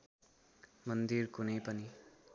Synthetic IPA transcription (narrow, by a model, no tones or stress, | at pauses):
mʌnd̪iɾkunepɐni